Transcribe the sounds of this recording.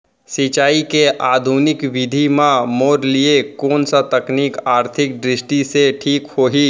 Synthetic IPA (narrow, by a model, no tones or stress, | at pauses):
sɪt͡ʃaːikeʔaːd̪ʱuːnɪkʋɪd̪ʱimãmoːɾliekoːnsat̪ɐkniːkaːɾt̪ʰɪk̚ɖɾɪsʈiseʈʰiːkhoːɦi